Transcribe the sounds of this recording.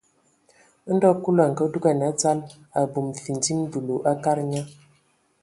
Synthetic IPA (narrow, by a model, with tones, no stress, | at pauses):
n̩˦dɔ˦ku˦la˨ŋ̩˨kə˦du˦ɡa˨na˨˦t͡sa˦l | a˨bu˨mfi˨nd͡zi˦m˦du˨lu˨ʔa˦ka˦ɾɲa˦